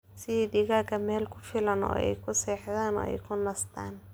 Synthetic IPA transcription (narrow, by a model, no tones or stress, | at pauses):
sɪiːɖɪɣaːkʰɐmɛːlkʰʊ̥fɪlɐnɔ̰ːɛ̰jkʰʊsɛːħðaːnɔ̰ːɛ̰jkʰʊnɐst̪ʰaːn